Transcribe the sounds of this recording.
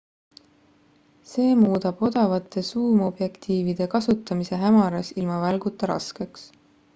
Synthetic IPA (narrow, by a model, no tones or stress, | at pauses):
se̞ːmuːd̪̥ɑb̥o̞d̪̥ɑvɑt̪ːˑe̞suːmo̞b̥je̞kt̪iːvid̪̥e̞kɑsut̪ːˑɑmise̞ɦæmɑɾɑsilmɑvælɡut̪ːˑɑɾɑ̰ske̞ks